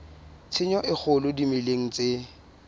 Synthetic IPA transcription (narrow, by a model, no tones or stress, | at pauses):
t͡sʰɪɲɔʔɪk͡xʰʊlʊdimɪleŋ̩t͡sʼe